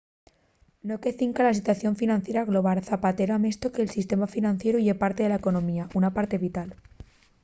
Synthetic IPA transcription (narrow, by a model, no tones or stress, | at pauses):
no̞ke̞θiŋkalas̬it̪waθjo̞ɱfinãnθje̞ɾaɣlo̞β̞aɾθapat̪e̞ɾoame̞st̪o̞ke̞ːlsist̪e̞mafinãn̟θje̞ɾuʝepaɾt̪e̞ðe̞laeko̞nõ̞miaʔunapaɾt̪e̞βit̪al